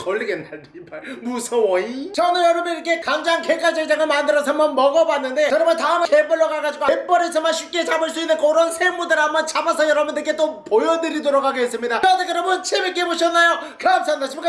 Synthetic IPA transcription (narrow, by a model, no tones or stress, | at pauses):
kʌlːiɡenːaɭtibamusʰʌwʌit͡ɕʌnɯjʌɾʌbɯnɾikʰe̞kaŋd͡ʑankek͈aɭd͡ʑʰed͡ʑaŋɯɭmandɯɾʌs̬ʰʌambʌnmʌɡʌbanːɯnde̞kɯɾʌmʌntaɯmekepʌɭːʌɡaɡad͡ʑiɡoemp͈ʌɾesʰɯmanɕʰip̚k͈et͡ɕamɯɭs͈uinːɯnk͈ouɾʌnsʰemːudɯɾambʌnt͡ɕʰabasʰʌjʌɾʌbɯndeɯkʰet͈opojʌnɯɾidoɾokʰaɡees͈ɯmɲidaʌdekɯɾʌbɯnt͡ɕʰemek͈eboɕʰʌnːajokɯps͈ʌnat͡ɕʰimka